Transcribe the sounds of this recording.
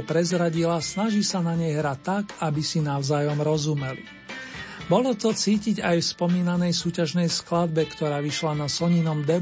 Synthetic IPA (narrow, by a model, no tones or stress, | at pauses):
pɾɛzɾaɟilasnaʒisanaɲɛjɦɾat̪ːakabisinaʊzaːjɔmɾɔzumɛlḭ | bɔlɔt̪ɔt͡siːciɟajfspɔmiːnanɛjsuːcaʒnɛjsklad̪bɛkt̪ɔɾaːʋiʃlanasɔɲinɔmd̪ɛ